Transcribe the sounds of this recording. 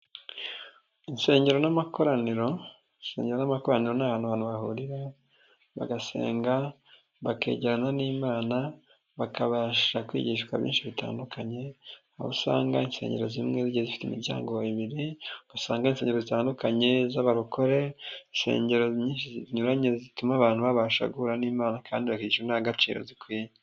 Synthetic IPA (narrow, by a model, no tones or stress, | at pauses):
inse̞ːɲɟe̞ɾo̞namako̞ɾaniɾo̞ | insse̞ːɲɟeɾonamako̞ɾaniɾo̞naβaːnhuβaːnhuβahuɾiɾa | βa̰ɡase̞̰ːŋɡa | βake̞̰ːɟeɾananiːmaːna | βakaβaʃakwḭːɟiːʃkwa̰βjḭːnʃiβita̰ːndukʰaɲe̞ | aβṵsa̰ːŋɡainse̞̰ːɲɟe̞ɾo̞zimŋeziɟezifi̥timiɾɟa̰ːŋɡoiβiɾiɡasaːŋɡainseɲɟeɾozitaːndukaɲe̞zaβaɾuko̞ɾe̞inse̞̰ːɲɟe̞ɾo̞zɲiːnʃiziziɲuɾaɲe̞zitumaːβaːn̥uβaβaʃa̰ɡuhuɾaniːmaːnakʰaːndiβakiɟiʃwenaaɡat͡ʃḭːɾo̞̰zikwiːje